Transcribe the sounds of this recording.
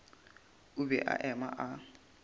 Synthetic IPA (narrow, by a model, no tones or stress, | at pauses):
ʊbɛʔa̰ʔɛma̰ʔa